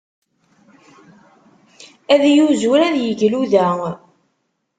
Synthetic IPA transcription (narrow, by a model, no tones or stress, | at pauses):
æðjuzuɾæðjəʝluðæ